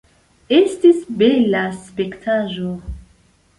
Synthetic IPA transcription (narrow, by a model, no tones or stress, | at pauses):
estisbelaspektʰaʒo